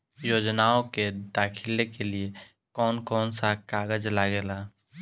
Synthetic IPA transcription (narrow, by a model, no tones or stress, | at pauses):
joːd͡ʒnaːoked̪aːkʰɪlekelie | kɔːnkɔːnsakaːɡəd͡ʒlaɡeːlaː